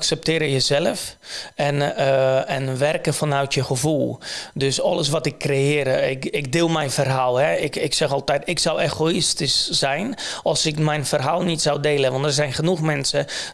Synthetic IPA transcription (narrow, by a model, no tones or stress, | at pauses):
ksɛp̚tɪːɾəjəzɛlˠəfɛn | ɛnʋɛrkəfɔnœɥtjəxəvulˠdøsɔlˠəs̬ʋɔtɪkːrejɪːɾəɪkɪk̚dɪːlˠmɛjfərɦaːlˠhɛɪkɪksɛxɔlˠtɛjtɪksaweɣoɪstissɛjnɔlˠsɪkmɛjnfərɦaːlˠnitsawdeːlˠəʋɑntdərzɛjnxənuxmɛnsə